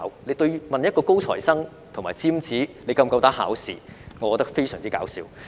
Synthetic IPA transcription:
wle˨˧jt̪ɵ˧ɥmɐ˨njɐ˥t̚kɔː˧ko˥wt͡sʰɔ̰ː˨˩jsɐ˥ŋ | t̪ʰʊ˨˩ŋmaː˨jt͡siː˥mt͡siː˨˥ne˨˧jkɐ˧mkɐ˧wt̪aː˨˥ɦa̰ː˨˥wsḭː˨˩ŋɔ˨˧kɔː˨˧t̪ɐ˥k̚fe˥jsœː˨˩ŋt͡siː˥kaː˨˧˥wsiː˧w

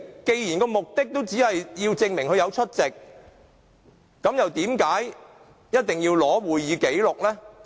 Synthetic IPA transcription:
ke˧jji˨˩nkɔː˧mʊ˨k̚t̪ɪ˥k̚t̪o˥wt͡siː˨˥hɐ˨jjiː˧wt͡sɪ˧ŋmɪ˨˩ŋhʰɵ˧jɐ˨˧wt͡ʃʰɵ˥t̚t͡sɪ˨k̚ | ɐ˨˥mjɐ˨wt̪iː˨˥mkaː˨˥j | jɐ˥t̚t̪ɪ˨ŋjiː˧wlɔː˨˥wuː˨jjiː˨˧ke˨˥jlʊ˨k̚lɛː˥

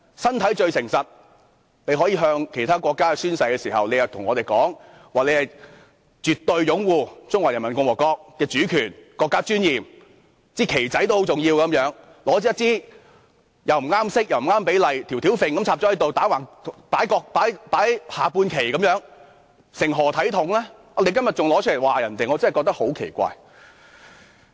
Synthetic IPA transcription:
sɐ˥nt̪ʰɐ˨˥jt͡ʃɵ˧ɥsɪ˨˩ŋsɐ˨t̚ | ne˨˧jɦɔː˨˥jiː˧ɦœː˧ŋkʰe˨˩t̪ʰaː˥kʷɔː˧kːaː˥˧syː˥nsɐ˧jkɛː˧siː˨˩ɦɐ̰˨wnle˨˧jɐ˨˧wt̪ʰʊ˨˩ŋɔː˨˧t̪e˨jkɔː˨˥ŋ | waː˨˩le˨˧jhɐ˨j | t͡ʃyː˨t̪ːɵ˧ɥjʊ˨˥ŋwuː˨˧t͡sʊ˥ŋwaː˨˩jɐ˨˩nmɐ˨˩nkʊ˧ŋwɔː˨˩kɔː˧k̚kɛː˧t͡ʃyː˨˥kʰyː˨˩nkɔː˧kːaː˥t͡ʃyː˥njiː˨m | t͡siː˥˩kʰe˨˩jt͡sɐ˨˥jt̪o˥who˨˥wt͡sʊ˨ŋjiː˧wkɐ˨˦mjœː˨˥ŋ | lɔː˨˥t͡sɛ˥jɐ˥t̚t͡siː˥ | jɐ˨wm̩˨˩ŋaː˥msɪ˥k̚jɐ˨wm̩˨˩ŋaː˥mpe˨˥jlɐ˨jt̪ʰi˨˩wt̪ʰi˨˥wfɪ˨˧ŋkɐ˨˥mt͡sʰaː˧p̚t͡ʃɔː˨˧hɐ˨˥jt̪o˨wt̪aː˨˥waː˨˩ŋ˨paː˨˥jkɔː˧k̚paː˨˥jpaː˨˥jhaː˨puː˧nkʰe˨˩jkɐ˨˥mjœː˨˥ŋ | sɪ˨˩ŋɦɔː˨˩t̪ʰɐ˨˥jt̪ʰʊ˨˥ŋlɛː˥ | ɔ˨˧le˨˧jkɐ˥mjɐ˨t̚t͡ʃʊ˨ŋlɔː˨˥t͡ʃʰlwaː˨˩jɐ˨˩nt̪e˨jŋɔː˨˧t͡sɐ˥nhjkɔː˧k̚t̪ɐ˥k̚ho˨˥wkʰe˨˩jkʷa̰ː˧j

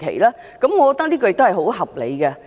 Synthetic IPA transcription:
kʰḛ˨˩jlaː˦˥ | kɐ˨˦mŋɔ˨˧kɔ˨˧t̪ːliː˦˥kɔ˧j̚t̪o˥hjho˨˥wɦɐ˨˩p̚le˨˧jkɐ˧

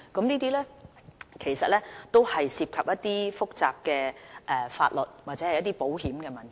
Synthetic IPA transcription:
kɐ˨˧˥mniː˥t̪iː˥lɛː˥ | kʰe˨˩jsɐ˨t̚lɛː˥t̪o˥whɐ˨jsiː˧p̚kʰɐ˨p̚jɐ˥t̪iː˥fʊ˥k̚t͡sa̰ː˨p̚kɛː˧ʔɛ˨fa̰ː˧t̚lɔ˨t̚waː˨t̚t͡sɛː˨˥hɐ˨jɐ˥t̪iː˥po˨˥wɦiː˨˥mkɛː˧mɐ˨˩nt̪ʰɐ˨˩

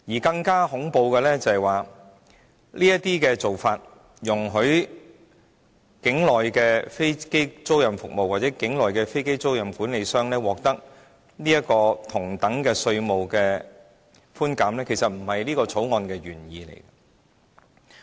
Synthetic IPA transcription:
jiː˨˩kɐ˧ŋkaː˥hʊ˨˥ŋpo˧wkɛː˧lɛː˥t͡sɐ˨hɐ˨˩jwaː˨ | liː˥jɐ˥tt̪iː˥kɛː˧t͡so˨wfaː˧t̚ | jʊ˨˩ŋɦɵ˨˥ɥ | kɪ˨˥ŋlɔː˨jkɛː˧fe˥jke˥jt͡so˥wjɐ˨mfʊ˨k̚mo˨waː˨t̚t͡sɛː˨˥kɪ˨˥ŋlɔː˨jkɛː˧fe˥jke˥jt͡so˥wjɐ˨˩mkuː˨˥nle˨˧jsœː˥ŋlɛː˥wɔː˨k̚t̪ɐ˥k̚ | niː˥jɐ˥kɔː˧t̪ʰʊ˨˩ŋt̪ɐ˨˥ŋkɛː˧sɵ˧ɥmo˨wkɛː˧ | fuː˥nkaː˨˥mlɛː˥kʰe˨˩jsɐ˨t̚m̩˨˩hɐ˨jliː˥kɔː˧t͡sʰo˨˥wŋɔː˧nkɛː˧ɥyː˨˩njiː˧lḛ˨˩j

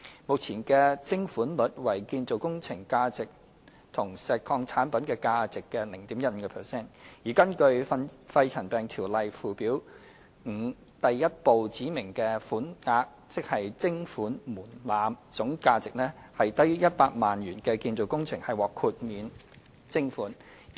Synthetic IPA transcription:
mʊ˨k̚t͡sʰiː˨˩nkɛː˧t͡sɪ˥ŋfuː˨˥nlɵ˨˥t̚wɐ˨˩jkiː˧nt͡so˨wkʊ˥ŋt͡sʰɪ˨˩ŋkaː˧t͡sɪ˨k̚ | t̪ʰʊ˨˩ŋsɛː˨˧kʰɔː˧ŋt͡sʰaː˨˥npɐ˨˥nkɛː˧kaː˧t͡sɪ˨kːɛː˧lɪ˨˩ŋt̪iː˨˥mjɐ˥t̚m̩ː˨˧kɛː˧pʰɛ˨sɛː˥˩njiː˨˩kɐ˥nkɵ˧ɥfɐ˧jt͡sʰɐ˨˩npɛː˨ŋt̪ʰiː˨˩wlɐ˨jfuː˨piː˨˥w | ŋ̩ː˨˩ | t̪ɐ˨jːɐ˥t̚po˨wt͡siː˨˥mɪ˨˩ŋkɛː˧fuː˨˥nŋaː˧k̚ | t͡sɪ˥k̚hɐ˨jt͡sɪ˥ŋfuː˨˥nmuː˨˩nlaː˨˧mt͡sʊ˨˥ŋkaː˧t͡sɪ˨k̚nɛː˥hɐ˨jt̪ɐ˥jyː˥jɐ˥t̚paː˧k̚maː˨njyː˨˩nkɛ˧kiː˧nt͡so˨wkʊ˥ŋt͡sʰɪ˨˩ŋhɐ˨jwɔː˨˩kʰuː˧t̚miː˨˧n | t͡sɪ˥ŋfuː˨˥n

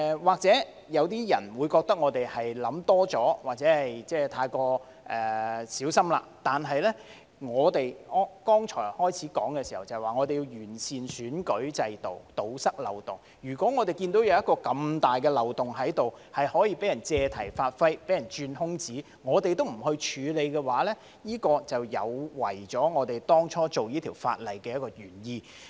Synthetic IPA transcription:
waː˨k̚t͡sɛː˨˦˥ | jɐ˨˧wt̪̬iː˥jɐ˨˩nwuː˨˧jkɔː˧k̚t̪ɐ˥k̚ŋɔː˨˧t̪e˨jhɐ˨jlɐ˨˥mt̪ɔː˥t͡sɔː˨˥waː˨k̚t͡sɛ˨˥hɐ˨jt͡sɛː˥˧t̪ʰaː˧jkɔː˧ | ʔɛ˨siː˨˥wsɐ˥mla̰ː˧t̪aː˨nɦɐ˨jlɛ˥ | ŋɔː˨˧t̪e˨jɔ˥kɔː˥ŋt͡ʃʰɔ̰ː˨˩jhɔː˥jt͡sʰiː˨˥kɔ̰ː˨˥ŋkɛː˧si˨˩hɐ˨˩wt͡sɐ˨waː˨ŋɔ˨˧e˨ji˧wjyː˨˩nsiː˨nsyː˨˥nkɵ˨˥ɥt͡sɐ˧jt̪o̰˨wt̪o˨wsɐ˥k̚lɐ̰˨wt̪ʊ̰˨ŋ | jyː˨˩kʷɔː˨˥ŋɔː˨˧t̪e˨jkiː˧nt̪o˨˥wjɐ˨˧wjɐ˥t̚kːɔː˧kɐ˧mt̪aː˨jkɛ˧lɐ˨wt̪ʊ˨˩ŋɦɐ˨˥jt̪o˨whɐ˨jhɔː˨˥jiː˧pe˨˥jɐ˨˩nt͡sɛː˧t̪ʰɐ̰˨˩jfaː˧t̚fɐ˥jpe˨˥jɐ˨˩nt͡ʃyː˧nhʊ˥ŋt͡siː˨˥ | ŋɔː˨˧t̪e˨jt̪o˥wm̩˨˩hɵ˧ɥt͡ʃʰyː˨˧le˨˧jkɛː˧waː˨˥lɛ˥ | jiː˥kɔː˧t͡sɐ˨wjɐ̰˨˧wwɐ̰˨˩jt͡sɔː˨˥ŋɔː˨˧t̪e˨jt̪ɔː˥ŋt͡ʃʰɔː˥t͡so˨wjiː˥t̪ʰiː˨˩wfa̰ː˧t̚lɐ˨˩jkɛː˧jɐ˥t̚kɔː˧jyː˨˩njiː˧

